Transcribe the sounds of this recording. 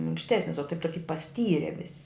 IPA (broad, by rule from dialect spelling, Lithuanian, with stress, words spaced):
mʲɪŋkʃʲˈtʲæːsʲnʲɪs oː tɐɪp ˈtoːkʲɪ pɐˈsʲtʲiːrʲɛ ˈʋʲɪsʲɪ